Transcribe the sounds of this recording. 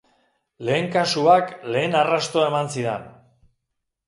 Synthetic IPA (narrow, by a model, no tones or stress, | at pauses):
le̞ːŋkasuakle̞ːnarast̪oae̞mansiðḛn